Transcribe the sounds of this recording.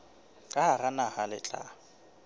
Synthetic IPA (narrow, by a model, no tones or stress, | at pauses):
kʼaaranahalɪ̰t͡ɬʼa̰